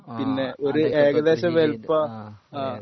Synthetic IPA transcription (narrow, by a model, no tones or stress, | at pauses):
pinːeʔoɾuʔeːɣɐðeːɕɐʋelpɐ